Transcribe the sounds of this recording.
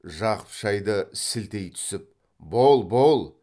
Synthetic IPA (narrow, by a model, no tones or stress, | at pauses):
ʒɑqə̥pʃɑjd̪əsɪlt̪e̞jt̪ʰʏ̥sɪp̚ | bolˠbolˠ